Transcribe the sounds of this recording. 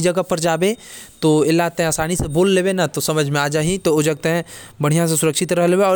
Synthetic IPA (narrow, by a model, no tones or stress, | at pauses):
d͡ʒɐɡəpɐɾd͡ʒaːbẽt̪oːɪlːaːt̪ɦẽaːsaːniseboːlːebenat̪osɐməd͡ʒʱmẽaːd͡ʒaːɦĩt̪oʊd͡ʒɐɡ̚t̪eɦɛ̃bɐɽ̤ijãs̬esʊɾəkʃɪt̪ɾɐɦleːweɔː